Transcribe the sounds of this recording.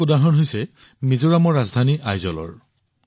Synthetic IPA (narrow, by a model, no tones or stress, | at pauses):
udaɦɔnɦojsɛ | mizʊɹamɔɹazdʱaniʔajzɔlɔ̰ɹ